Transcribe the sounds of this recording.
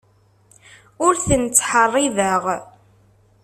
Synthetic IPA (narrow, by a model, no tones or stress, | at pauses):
ʊɾθənt͡sːħərˤːɪðəʁ